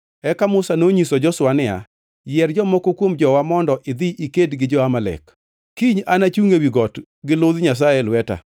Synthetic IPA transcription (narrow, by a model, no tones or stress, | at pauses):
ɛkamʊsanoɲisɔd͡ʒɔswanɪa̰ | jɛrd͡ʒɔmɔkokwomd͡ʒɔwamɔndɔʔɪd̪iʔikedɡɪd͡ʒɔamalɛ̰k | kiɲanat͡ʃuŋewiɡɔt | ɡɪlʊðɲas̬ajɛlwɛta̰